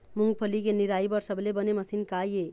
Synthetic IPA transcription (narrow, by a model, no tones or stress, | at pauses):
muŋɡ̚pʰəlikeniɾaibʌɾsəblebəneməsinkaje